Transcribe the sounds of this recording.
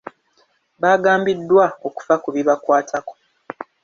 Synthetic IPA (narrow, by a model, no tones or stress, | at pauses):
βaːɡaːmbidːwao̞ku̥fakuβiβakwaːtʰako̞̥